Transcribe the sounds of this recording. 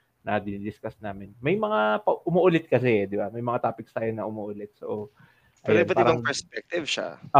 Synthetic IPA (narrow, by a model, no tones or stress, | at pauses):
nɐd̪ɪnid̪ɪskasnaːmɪnmɐjmɐŋapɐʔʊmoʔʊlɪt̪̚kɐsɛd̪ɪbamɐjmɐŋat̪aːpɪkst̪aːjonɐʔʊmoːʔʊlɛt̪̚so | ʔɐjɛnbɐt̪ɪːɾɐbaŋpɛspɛk̚t̪ɪvʃa̰